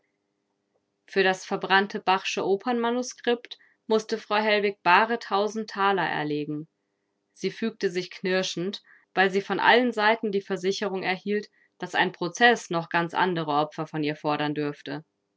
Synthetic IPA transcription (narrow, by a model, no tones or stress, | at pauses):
fyːɐɾasfɛɐbʁantʰəbaʁʃəʔoːpʰɐnmanuskʁ̥ɪpt | mʊstəfʁ̥aʊɦɛlvɪk̚b̥aːʁətʰaʊzn̩tʰːaːlɐʔɛ̰ɐleːɡŋ̩ | z̥iːfyːk̚təzɪçkʰnɪɐʃn̩t | v̥aɪlziːfɔnʔa̰lənzaɪtn̩diːfɛɐzɪçəʁ̞ʊŋɛɐhiːlt | d̥asa̰ɪnpʁ̥ot͡sɛsnɔχɡ̥ant͡sʔa̰ndəʁəʔɔpfɐfɔniːɐfɔɐɾɐndʏɐftə